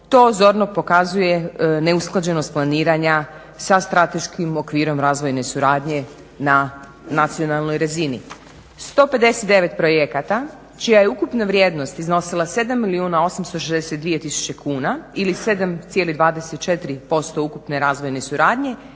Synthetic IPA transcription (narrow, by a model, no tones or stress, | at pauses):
t̪o̞ːzo̞ɾnopo̞kazuje̞ne̞usklˠad͡ʑe̞no̞st̪̚plˠaniːɾaɲa | sast̪ɾat̪e̞ʃkimo̞kʋiːɾo̞mɾaːzʋo̞jne̞suɾaːd̪ɲe̞ | na | nat̪sionalˠno̞jɾazinḭ | st̪o̞ːpe̞d̪e̞set̪̚d̪e̞ʋe̞t̪pɾo̞jekat̪a | t͡ʃijaje̞ukupnaʋɾjeːd̪no̞st̪izno̞silˠase̞d̪amːiliuːnao̞samst̪oʃezd̪esed̪ʋije̞t̪isu̥t͡ɕe̞kʰuːnailise̞d̪amt̪sje̞lid̪ʋaːd̪eset̪̚t͡ʃe̞t̪ɾipo̞st̪o̞ukupne̞ɾaːzʋo̞jne̞suɾaːd̪ɲe̞